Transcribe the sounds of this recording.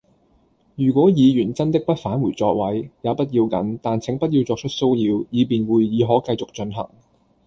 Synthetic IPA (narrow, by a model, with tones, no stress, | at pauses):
jyː˨˩kʷɔː˨˥jiː˨˧jyː˨˩nt͡sɐ˥nt̪ɪ˥k̚pɐ˥t̚faː˨˥nwuː˨˩jt͡sɔː˧k̚wɐ˨˥jjaː˨˧wpɐ˥t̚jiː˧wkɐ̰˨˥nt̪aː˨˩nt͡sʰɪ˨˥ŋpɐ˥t̚ji˧wt͡sɔː˧k̚t͡ʃʰɵ˥t̚so˥wjiː˧wjiː˨˧piː˨nwuː˨jːiː˨˧ɦɔː˨˥kɐ˧jt͡sʊ˨k̚t͡ʃɵ˧nɦɐ̰˨˩ŋ